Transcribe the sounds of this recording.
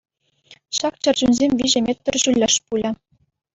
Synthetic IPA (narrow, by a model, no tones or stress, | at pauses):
ɕɑkt͡ɕɤ̆rʲd͡ʑunʲzʲemʲʋʲiʑɘ̆mʲet̪ʲːɘ̆rʑulʲːɘ̆ʂpulʲɘ̆